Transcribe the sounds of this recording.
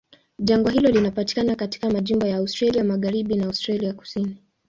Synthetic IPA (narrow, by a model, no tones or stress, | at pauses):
ʄaŋɡaɦilɔlinapati̥kanakati̥kamaʄimbɔjaaustɾaliamaɣaɾiɓinaawstɾaliaku̥sini